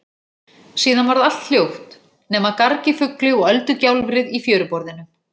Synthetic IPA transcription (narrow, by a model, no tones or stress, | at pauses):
siːðanvaɾðal̥t̪l̥jowht̪ | nɛːmaðkaɾcɪfʏklɪɔɣœlt̪ʏcawlvɾɪðifjœːɾʏpɔɾðɪnʏ